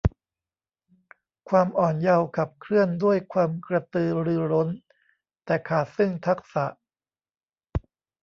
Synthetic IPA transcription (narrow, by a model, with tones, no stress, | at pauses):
kʰwaː˧mʔɔː˨˩nja˧wkʰa˨˩p̚kʰɾɯ˥˩əndu˥˩əjkʰwaː˧mkɾa˧t̪ɯː˧ɾɯː˧ɾo˦˥n | t̪ɛː˨˩kʰaː˨˩t̪̚sɯ˥˩ŋt̪ʰa˦˥k̚sa˨˩ʔ